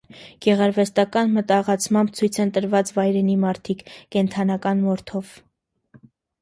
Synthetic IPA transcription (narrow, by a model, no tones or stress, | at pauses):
ɡ̥ɛʁɑɾvɛst̪ɑkɑnmət̪ɑʁɑt͡sʰmɑmbt͡sʰujt͡sʰənt̪əɾvɑt͡svɑjɾɛnimɑɾt̪ʰikʰkɛnt̪ʰɑnɑkɑnmɔɾt̪ʰɔv